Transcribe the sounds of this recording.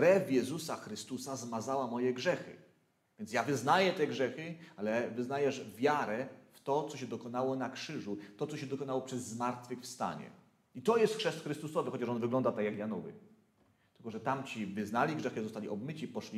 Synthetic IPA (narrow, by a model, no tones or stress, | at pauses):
kɾɛvjɛzusaxɾɘst̪usazmazawamɔjɛɡʐɛxɘ̰ | vʲjɛntsjavɘznajɛt̪ɛɡʐɛxɘalɛvɘznajɛʐvʲjaɾɛft̪ɔt̪sɔɕɛd̪ɔkɔnawɔnakʂɘʐut̪ɔt̪sɔɕɛd̪ɔkɔnawɔpʂɛzːmaɾt̪fɘxfst̪a̰ɲɛ̰ | it̪ɔjɛst̪xʂɛst̪xɾɘst̪usɔvɘxɔt͡ɕaʂɔnvɘɡlɔnd̪at̪akjakjanɔvɘ̰ | t̪ɘ̥lkɔʐɛt̪amt͡ɕivɘznalʲiɡʐɛxɨzɔst̪alʲiʔɔbmɘt͡ɕipɔʂlʲi